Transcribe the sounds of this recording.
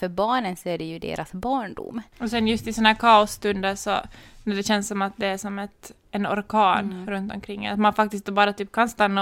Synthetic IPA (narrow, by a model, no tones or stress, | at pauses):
fœɾbɑːɳənsɔæɖɛjɵd̪ḛːɾʔasbɑːɳɖʊ̰mːɔsɛnjɵst̪ɪsɔnhæːɾkʰɑːɔsːt̪ɵnd̪əʂɔ̰næɖɛɕɛnsːɔmat̪̚d̪ɛæʂɔmɛt̪ | ɛnɔ̰ɾkʰɑːnɾɵnt̪ɔmkʰɾɪŋ̰ːat̪manfak̚t̪ɪst̪d̪bɑːɾat̪yːp̚kʰanst̪anːa